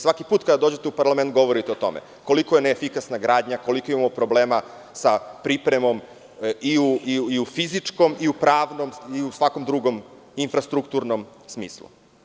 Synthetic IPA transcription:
sʋakipuːt̪̚kad̪ad̪o̞ːd͡ʑe̞t̪eupaɾlˠament̪̚ɡo̞ʋo̞ɾit̪eot̪o̞̰mḛ | ko̞liko̞jeneːfikasnaɡɾaːd̪ɲako̞liko̞imamopɾo̞bleːma | sapɾipɾemo̞m | iuiufizit͡ʂko̞miupɾaːʋno̞miusʋako̞md̪ɾuɡo̞m | infɾast̪ɾukt̪uːɾno̞msmḭːslˠṵ

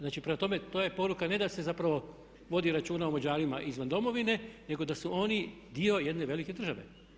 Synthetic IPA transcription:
znaːt͡ʃipɾe̞mat̪o̞me̞t̪oje̞po̞ɾukane̞d̪ase̞zapɾaʋo̞ | ʋo̞d̪iɾat͡ʃuːnaomod͡ʑaːɾimaʔizʋand̪o̞mo̞ʋine̞ne̞ɡo̞d̪asuo̞ni | d̪io̞je̞d̪ne̞ʋe̞like̞d̪r̩ʒaʋe̞̰

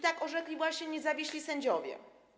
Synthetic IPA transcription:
t̪akɔʐɛklʲivwaɕɲɛɲɛzavʲiɕlʲisɛɲd͡ʑɔvʲjɛ̰

